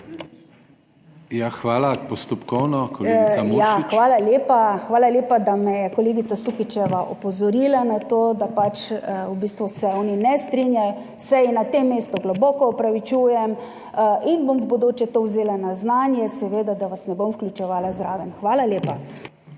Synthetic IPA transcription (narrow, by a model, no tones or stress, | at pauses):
jaxʋaːlapɔst̪ɔpkɔwnɔkɔleɡjaxʋaːlaleːpaxʋaːlaleːpad̪amɛjɛkɔleːɡit̪sasuxit͡ʃɛʋaʔɔpɔzɔɾiːlanat̪oːd̪apat͡ʃubist̪ʋusɛɔninɛst̪ɾinjaj | sɛinat̪emːeːst̪ɔɡlɔbɔkɔːpɾaʋit͡ʃuːjɛm | inbombɔd̪oːt͡ʃɛt̪owzeːlanaznaːnjɛsɛʋeːd̪ad̪aʋasnɛbomwklʲut͡ʃɛʋaːlazɾaːʋɛmxʋaːlaleːpa